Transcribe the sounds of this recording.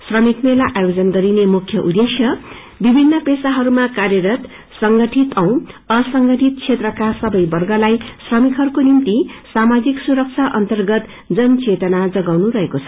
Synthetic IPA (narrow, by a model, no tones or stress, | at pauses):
srʌmikmelaʔajod͡zʌnɡʌɾinemukʰjʌʔud̪eksʰjʌ | bibʱinːʌpesaɦʌɾumakarjʌɾʌt̪ | sʌŋɡʌʈʰit̪ʌw̃ʌsʌŋɡʌʈʰit̪̚t͡sʰet̪rʌkasʌbʌjbʌrɡʌlajsrʌmikɦʌɾukonimt̪isamad͡ziksuɾʌk̚t͡sʰaʔʌnt̪ʌrɡʌt̪ | d͡zʌnt͡set̪ʌnad͡zʌɡawnuɾʌɦekot͡sʰʌ̥